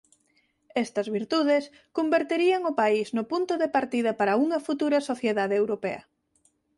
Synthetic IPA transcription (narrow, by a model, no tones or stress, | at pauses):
ɛst̪ɐzβiɾt̪uð̞es | kombeɾt̪eɾiɐŋʊpaiznʊpunt̪oðepaɾt̪iðɐpaɾɐuŋɐfut̪uɾɐsoθjeðaðeewɾopḛɐ̰